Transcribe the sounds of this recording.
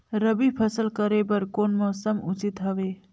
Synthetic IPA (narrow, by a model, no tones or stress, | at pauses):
ɾəbipʰəsəlkəɾebəɾkoːnmɔːsəmut͡ʃit̪ɦəʋe